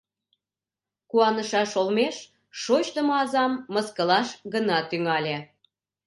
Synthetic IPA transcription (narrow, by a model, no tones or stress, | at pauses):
kuɑnəʃɑʃolmeʃ | ʃot͡ɕt̪əmɑzɑmːəskəlɑʃɡənɑt̪yŋɑlʲe